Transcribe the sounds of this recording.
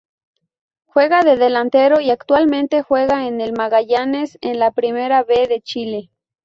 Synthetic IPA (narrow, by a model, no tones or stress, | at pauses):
xweɣaðeðelant̪eɾoiakt̪walment̪exweɣaenelmaɣajanesenlapɾimeɾaβeðet͡ʃile